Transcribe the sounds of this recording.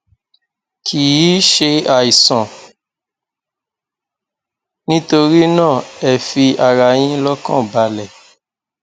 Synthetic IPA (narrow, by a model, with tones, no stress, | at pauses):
kʰi˨i˨˦ʃe˧a˨i˨sɔ̃˨ | nĩ˦to˧ɾi˦nã˦˨ɛ˨fi˧a˨ɾa˧j̃ĩ˦lɔ˦kã̰˦˨ba˨lɛ˨